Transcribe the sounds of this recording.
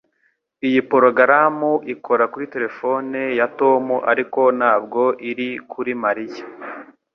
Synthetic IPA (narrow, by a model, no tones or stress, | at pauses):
ijipo̞ɾoɡaɾamuʔikʰo̞ɾakuɾite̞ɾe̞fo̞nejato̞muʔaɾiko̞naːb̚ɡo̞ʔiɾikʰuɾimaɾija